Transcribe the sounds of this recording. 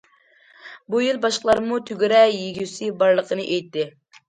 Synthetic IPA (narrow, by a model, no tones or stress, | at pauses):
bujilˠbɑʃqəlˠɑɾmut̪ʰyɡʲyɾɛjeɡʲysɪbɑɾlˠəqʰənɨʔejt̪ːɪ